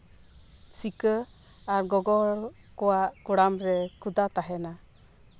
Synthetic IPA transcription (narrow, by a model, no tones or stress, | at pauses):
sikə | aɾɡɔɡɔɾ | kɔwaʔkuɽamɾɛkʰud̪at̪aɦɛna